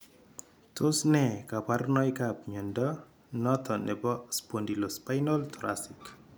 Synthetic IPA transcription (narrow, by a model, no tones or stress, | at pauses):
tʰosnɛkaparnɔjkapɲondɔ | nɔt̪ʰɔnɛbɔspondilospajnɔltɾa̰sik